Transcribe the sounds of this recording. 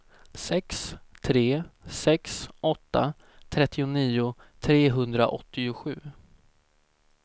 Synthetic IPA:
sɛkst̪ʰɾeːsɛksʔɔt̪ːa | t̪ʰɾɛt̪ːɪʊniːʊ | t̪ʰɾeːɦɵnd̪ɾaʔɔt̪ːɪʊɧʉ̟ː

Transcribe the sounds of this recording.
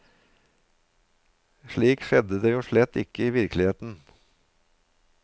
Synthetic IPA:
ʃɭiːkʃɛd̪əd̪eːjuːʂɭɛt̪ːɪ̰kəiːʋɪɾklɪheːt̪n̩

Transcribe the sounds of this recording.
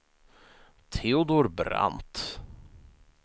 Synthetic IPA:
t̪ʰeʊd̪oɾbɾa̰nt̪

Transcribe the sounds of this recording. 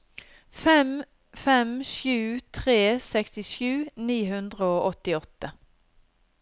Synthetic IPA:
fɛm | fɛmʃjʉːt̪ʰʁeːsɛkst̪ɪʃʉːniːɦʉnd̪ʁəoːʔɔt̪ɪɔt̪ːə

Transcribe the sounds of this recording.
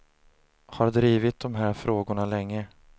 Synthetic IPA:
haɾd̪ɾiːvɪt̪̚d̪ɔmɦæːɾfɾoːɡʊɳalɛŋːə

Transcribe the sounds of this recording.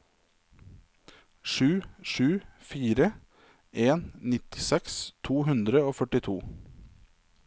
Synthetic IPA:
ʃʉːʃʉːfiːɾə | ʔeːnnɪt̪ɪ̥sɛkst̪ʰuːhʉnd̪ɾəoːfœʈɪt̪ʰuː

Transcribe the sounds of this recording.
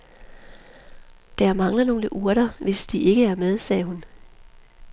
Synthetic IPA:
d̥æɐmɑ̈ŋlɐno̝ːləʔuɐ̰ɾ̥ɐʋe̝sd̥iʔe̝ɡ̥əæɐmeðˠsɛːɦun

